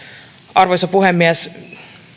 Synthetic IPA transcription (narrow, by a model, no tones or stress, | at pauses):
ʔɑrʋojsɑpuɦhemːiæs